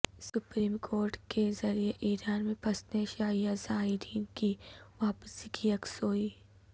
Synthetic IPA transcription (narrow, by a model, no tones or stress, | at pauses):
sʊpɾiːmkʰoːɾʈkezɐɾijeʔiːɾaːnmẽpʰɐsneʃaːijazaːiɾiːnkiʋaːpsikiɐksoːiː